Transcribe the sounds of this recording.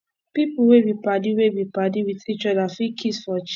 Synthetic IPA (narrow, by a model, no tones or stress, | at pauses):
pipuwebipadiwebipadiwitit͡ʃɔdafikʰisfɔt͡ʃ